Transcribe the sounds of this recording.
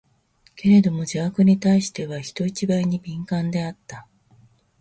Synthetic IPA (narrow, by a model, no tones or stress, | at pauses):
ke̞ɾe̞d̪o̞mo̞d͡ʑaakɯ̟ɲ̟it̪aiɕi̥t̪e̞βaçi̥t̪o̞it͡ɕibaiɲ̟ibʲĩŋkãnd̪e̞at̪ːa